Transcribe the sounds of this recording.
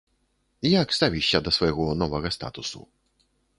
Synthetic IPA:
jaɡst̪avʲiɕad̪ɔsfɔjɛɡɔnɔvɛɣɔst̪a̰t̪usṵ

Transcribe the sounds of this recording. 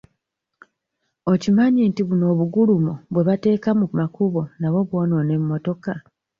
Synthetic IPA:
o̞cimaɲiːntiβuno̞ːβuɡulumoβwe̞βate̞ːkamumakuβo̞naβo̞βwo̞ːnoːne̞mːo̞to̞ka

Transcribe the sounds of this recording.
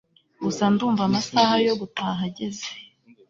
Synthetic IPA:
usanduːɱvamasahajo̞ɡutaːɦaɟe̞ze̥

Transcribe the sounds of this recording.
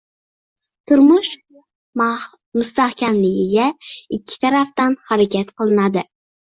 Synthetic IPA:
t̪ʰʊɾmʊʃ | mʊst̪ahkʲʰamlɪɡʲɪɡʲaɪkʲʰːɪ̥t̪ʰaɾaft̪anhaɾakʲʰat̪qʰɨlˠɪnad̪ɪ

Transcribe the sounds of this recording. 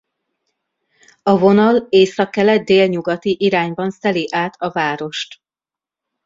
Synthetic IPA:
ɒvo̞nɒleːsɒkːɛlɛt̪̚d̪eːlɲuɡɒt̪iʔiɾaːɲbɒnsɛliʔaːt̪ʰɒvaːɾo̞ʃt̪

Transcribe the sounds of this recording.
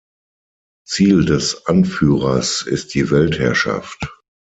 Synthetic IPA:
t͡siːldɛsʔanfyːʁɐsɪ̰st̚d̥iːvɛlthɛɐʃa̰ft

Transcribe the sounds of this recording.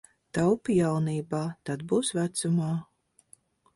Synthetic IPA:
t̪awpjawniːbaːt̪ad̪buːsvæt̪sumaː

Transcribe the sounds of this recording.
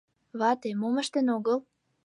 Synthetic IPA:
βɑt̪emoməʃt̪ə̆noɣəl

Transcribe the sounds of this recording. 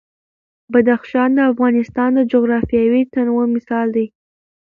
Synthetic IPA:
bad̪axʃɑnd̪əafɣɑnɪst̪ɑnd̪əd͡ʒoɣɾɑfjɑwit̪anwəmɪsɑld̪aj

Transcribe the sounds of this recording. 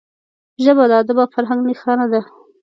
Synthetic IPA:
ʒəbad̪ɑd̪əbafaɾɦaŋɡnixanad̪a

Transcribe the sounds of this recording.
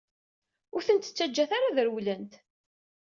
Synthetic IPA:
ʊɾθənt̪ə̥t͡sːæd͡ʒːæθaɾaðəɾwlənt̪

